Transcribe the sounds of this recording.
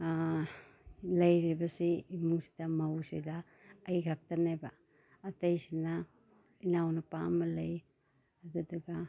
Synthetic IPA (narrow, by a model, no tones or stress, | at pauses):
lɐjɾibɐsiːmuŋsi̥dɐmɐwsidɐː | jɡʰak̚tɐnajbaː | tɐjsina | inawnɐpa̰mːɐlɐj | ɐdudɐɡa